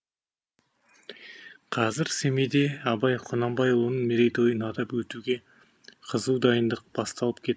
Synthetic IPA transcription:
qʰɑzɪɾsemed̪e̞ɑbɑjqʰonɑmbɑjwonəɴmeɾejt̪o̞jənɑd̪ɑpwɵt̪uɡʲe̞ | qʰəzuwd̪ɑjənd̪əq̚b̥ɑst̪ɑlˠəp̚kʲʰe̞t̪ː

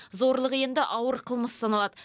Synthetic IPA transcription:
zo̞ɾlˠəʁje̞nd̪ɪʔɑwəɾqʰəlˠməssɑnɑlˠɑd̪̥ə

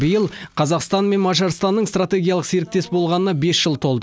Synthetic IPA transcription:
bəjəlˠqʰɑzɑqst̪ɑnme̞nmɑʒɑɾst̪ɑnːəɴst̪rat̪ʲe̞ɡʲijalˠəqse̞ɾɪk̚t̪e̞sbo̞lˠʁɑnənɑbe̞sʒəlˠt̪ʰo̞lˠd̪ə

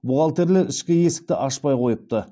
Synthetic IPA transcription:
bʊʁɑlˠt̪e̞ɾleɾɪʃkʲɪje̞sɪ̥k̚t̪ɪ̰ʔɑʃpɑjqʰo̞jəp̚t̪ə

